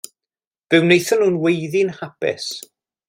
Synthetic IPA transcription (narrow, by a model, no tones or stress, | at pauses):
v̥ɨwnejθɔnuːnwejðɪnhapɪ̰s